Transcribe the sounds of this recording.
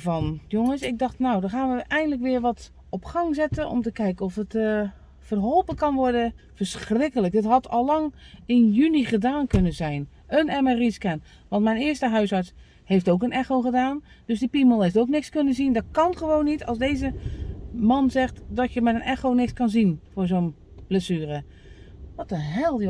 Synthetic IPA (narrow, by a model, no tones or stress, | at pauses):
vɔnjoŋəsɪɡ̚dɑxtnowdɔxaːnʋəɛjəndləkʋɪərʋɔt | ɔpxɑŋzɛtənʔɔ̰mtəkɛjkənɔfət | fərɦɔlˠpəkɑnʋɔrdəfərsxrɪkələk̚dɪtɦɔtʰɔlˠlɑŋɪnjyniχədaːnkønənzɛjn | ənɛməriskɛn | ʋɑntmɛjnɪːəstəɦœɥsɑɹts | heftowkənɛxowχədaːn | d̥øsdipiməlˠeftowknɪkskønəzindɔtkɑnχəʋoːnːitʰɑ̰lˠsdeːzə | mɑnzɛxtdɔtjəmɛtənɛxonɪkskɑnzinfʊːzon | b̥ləsyːrə | ʋɔtənɦɛlˠ